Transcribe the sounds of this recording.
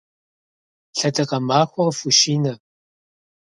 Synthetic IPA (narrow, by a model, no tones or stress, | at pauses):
ɬɐtʰɐqɐmaːxʷɔrfuʃiːnɐ